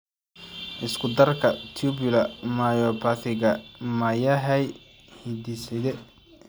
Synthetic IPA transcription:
ʔɪskʰʊd̪ɐrkʰɐt̪ʰubɪlɐmajɔpʰɐθɪɣɐmɐjɐɦɛj | hid̪isɪd̪ɛ

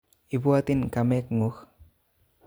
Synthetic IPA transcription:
ibuat̪inkamekŋux

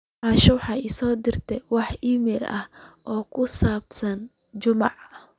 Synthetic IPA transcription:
ʕɑːʃʊwħɑɪsɔːd̪ɪrt̪ʰɛwɑħiːmɛːlʔɐ̰hʔɔːkʰʊsaːbsɐn | t͡ʃʊmɑʕ

